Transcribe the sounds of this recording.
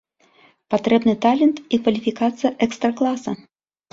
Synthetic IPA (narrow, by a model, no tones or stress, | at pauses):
pat̪ɾɛbnɨt̪alʲɛnt̪ikvɐlʲifʲikat̪sɨjɐʔɛkst̪ɾɐklˠasɐ